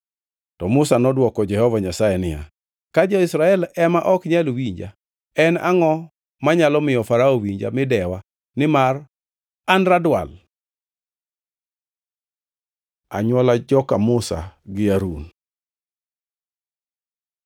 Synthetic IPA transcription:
tɔmʊsanɔdwɔkɔd͡ʒɛhɔvaɲasajɛnɪja̰ | kad͡ʒɔisɾaɛlɛmaʔɔkɲɛlwiɲd͡ʒa̰ | ɛna̰ŋɔ | maɲalɔmɪjɔfaɾaɔwiɲd͡ʒa̰mɪdɛwa | nɪmar | anɾadwa̰l | a̰ɲwɔlad͡ʒɔkamʊsa̰ɡɪaɾun

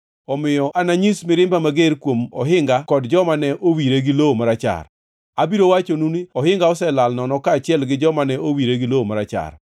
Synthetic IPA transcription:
ɔmɪjɔʔanaɲismɪɾɪmbamaɡeɾkwomɔ̰ɦɪŋɡakɔdd͡ʒɔmanɛʔowiɾeɡɪloomaɾat͡ʃa̰r | abiɾowat͡ʃonuniɔhɪŋɡaɔsɛlalnɔnɔkaːt͡ʃɪɛlɡɪd͡ʒɔmanɛʔowiɾeɡɪloomaɾat͡ʃa̰r

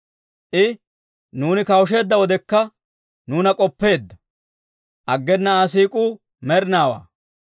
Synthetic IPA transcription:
ʔɪ | nuːnɪkɐwʊʃ̬e̞ːd̪ːɐwɔd̪ɛkːɐ | nuːnɐkʼɔpːe̞ːd̪ːɐ | ʔɐɡːɛnːɐas̬iːkʼuː | mɛɾɪnaːwa̰ː

